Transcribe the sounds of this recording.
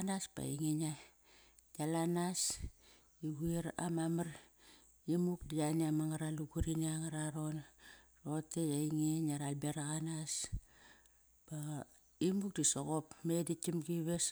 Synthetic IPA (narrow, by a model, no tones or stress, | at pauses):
naspa̰iŋina | jalanas | iɡuiɾa̰mamaɾ | imuk̚dijaniamaŋaɾaluɡuɾinaŋaɾaɾo̞nrotejaiŋenaɾalbeɾaɣanas | b̥a | imuk̚disoɣo̞pmeditimɡiβes